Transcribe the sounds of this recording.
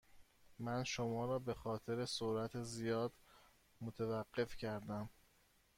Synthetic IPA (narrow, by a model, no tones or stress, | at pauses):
mænʃomɒːɾɒːbe̞xɒːt̪ʰe̞ɾe̞soɾæt̪ʰezijɒːd̪ | mot̪ʰevæɢːe̞fcʰæɾd̪æm